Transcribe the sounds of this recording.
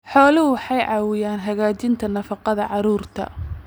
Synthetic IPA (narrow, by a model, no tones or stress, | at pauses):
ħɔːlɪɦʊwħɑjʕɑːwɪjaːnɦɐɣaːt͡ʃɪnt̪ʰɐnɐfɑqɑðɐʕɑɾuːrt̪ʰɐ̰